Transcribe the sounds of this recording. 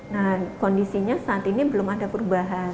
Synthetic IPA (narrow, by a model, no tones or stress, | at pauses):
nahkondisiɲasaːt̪inibəlʊmadapərubaɦa